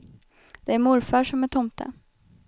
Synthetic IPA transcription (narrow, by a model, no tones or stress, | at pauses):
d̪̥ɛæɾmʊɾfaʂɔmæʈʰɔmt̪ʰə̰